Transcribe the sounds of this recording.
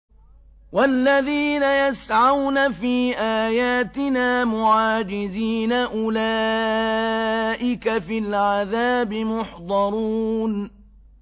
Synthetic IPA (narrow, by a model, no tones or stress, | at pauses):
walːaðiːnajasʕawnafiːʔaːjaːt̪ɪnaːmʊʕaːd͡ʒɪziːnaʔʊlaː | ʔɪkafɪlʕaðaːbɪmʊħd̪ˤɑɾˤuːn